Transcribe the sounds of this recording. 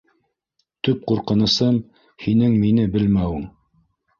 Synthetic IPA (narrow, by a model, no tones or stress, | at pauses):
t̪ɵp̚quɾqɤ̆nɤ̆sɤm | hinɘŋminɘbɘlmæwɘŋ